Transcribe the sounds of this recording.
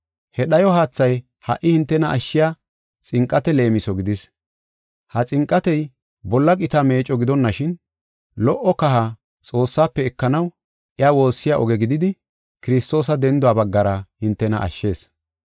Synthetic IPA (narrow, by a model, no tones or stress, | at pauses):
hɛɗɐjɔɦaːt͡sːɐj | hɐ̰ʔːɪhɪnt̪ːɛnɐʔːʃːɪjaː | t͡sʼɪŋkʼːɐt̪ɛle̞ːmɪsɔɡɪd̪ɪs | hɐt͡sʼɪŋkʼːɐt̪ɛj | bɔlːɐkʼɪt̪ame̞ːt͡ʃʼːɔɡɪd̪ɔnːɐʃɪn | lɔʔɔkɐɦa | t͡sʼo̞ːsːaːpːɛɛkːɐnɐw | ʔɪaːwo̞ːsːɪjaʔɔɡɛɡɪd̪ɪd̪ɪ | kɪɾɪst̪o̞ːsɐd̪ɛnd̪ʊwaːbɐɡːɐɾɐhɪnt̪ːɛnɐ̰ʔɐ̰ʃːe̞ːs